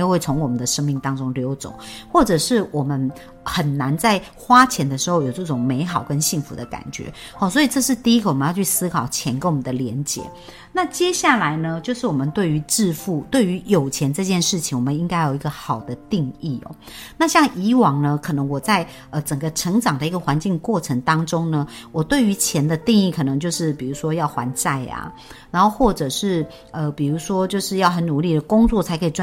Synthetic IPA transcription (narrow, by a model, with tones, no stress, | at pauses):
jo˧˦xwe˥˩ɪt͡sʰʊ˧˥ŋwɔ˨˩mə˦nd̪ə˨˩ʂə˥ŋmi˥˩ŋt̪ɑ˥ŋʈ͡ʂʊ˥ŋljo˧˥ʊt͡so̰˨˩˦ʊxwɔ˥˩ʈ͡ʂɤ˨˩ʂɻ̩˥˩wɔ˨˩mə˦n | xə˨˩nna˧˦nt͡sa˥˩ɪ | xwa˥t͡ɕʰjɛ˧˥nd̪ə˧ʂɻ̩˧˥xo˥˩ʊjo˨˩ʈ͡ʂɤ˥˩ʈ͡ʂʊ˨˩ŋme˧˥ɪxɑ˨˩ʊkə˦nɕi˥˩ŋfṵ˧˥d̪ə˧ka̰˨˩nt͡ɕɥɛ̰˧˦ | hɔ˥˧swɔ˧˥i˨ʈ͡ʂɤ˥˧ʂ̬ɻ̩˥˧t̪i˥˧i˥ɡə˨˩wɔ˨˩mə˦jɑ˥˧t͡ɕʰy˥˩sɹ̩˥kʰɑ˨˩ʊt͡ɕʰjɛ˧˥nke˧˥wɔ˨mə˨˦nd̪ə˩ljɛ˧˦nt͡ɕjɛ̰˧˦ | na˥˨t͡ɕjɛ˥ɕja˥˩la˧˦ɪnə˧t͡ɕjo˥˧ʊʂɻ̩˥˩wɔ˨˩mə˦nt̪we˥˩ɪy˧˥ʈ͡ʂɻ̩˥˧fu˥˩t̪we˥˩ɪy˧˥jo˨˩ʊt͡ɕʰjɛ˧˥nʈ͡ʂɤ˥˧t͡ɕjɛ˥˧nʂɻ̩˥˩t͡ɕʰi˨ŋwɔ˨˩ə˦ni˥ŋka˥ɪjo˨˩i˧ɡə˧xɑ˨˩ʊd̪ə˦t̪i˥˧ŋi˥˩ɔ̰˨˩ | na˥˧ɕjɑ˥˩ŋʔi˧˥wɑ˨˩ŋnə˧˦kʰɤ˨˩nɤ˧˦ŋwɔ˨˩t͡sa˥˩ɪ | ə˧˩ʈ͡ʂə˨˩ŋɡə˦ʈ͡ʂʰɤ˧˥ŋʈ͡ʂɑ˨˩ŋd̪ə˦i˧˥ɡə˨˩xwa˧˦nt͡ɕi˥˧ŋkwɔ˥˩ʈ͡ʂʰə˧˥ŋt̪ɑ˥ŋʈ͡ʂo˥ŋnə˨wɔ˨˩t̪we˥˩ɪy˧˥t͡ɕʰjɛ˧˥nd̪ə˧t̪i˥˧ŋi˥˩kʰɤ˨˩nɤ˧˦ŋt͡ɕjo˥˧ʊʂɻ̩˥˩pi˨˩ɻu˧˥ʂwɔ˥jɑ˥˩ʊxwa˧˥nt͡sa˥˩ɪa̰˩ | na˧˥nxo˥˧ʊxwɔ˥˩ʈ͡ʂɤ˨˩ʂɻ̩˥˩ | ə˧pi˨˩ɻu˧˥ʂwɔ˥t͡ɕjo˥˧ʊʂɻ̩˥˧jɑ˥˩ʊɦə˧˦nu˨˦li˥˩d̪ə˩kʊ˥ŋt͡swɔ˥˩t͡sʰa˧˥ɪkʰi˨˩ʈ͡ʂw